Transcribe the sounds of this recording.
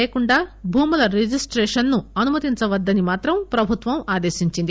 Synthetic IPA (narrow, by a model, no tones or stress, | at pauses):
jɐkuɳɖaːbʱuːmulɐɾed͡ʒisʈɾeːʂɐnːuɐnumɐt̪iɲt͡ʃɐʋɐd̪ːɐnimaːt̪ɾɐmpɾɐbʱut̪ʋɐmaːd̪e̞ːʃiɲt͡ʃind̪i